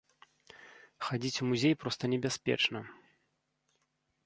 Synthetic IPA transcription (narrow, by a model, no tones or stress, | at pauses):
xad͡zʲit͡sʲumuzʲejpɾɔst̪ɐnʲɛbʲaspʲɛ̰t͡ʂnɐ